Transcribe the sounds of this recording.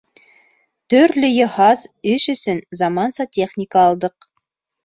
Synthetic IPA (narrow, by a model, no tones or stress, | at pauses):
t̪ɵɾlɵjŏhɑzɘʃɵ̆sɵnzɑmɑnsɑtʲe̞χnʲɪkɑːlˠd̪ɤq̚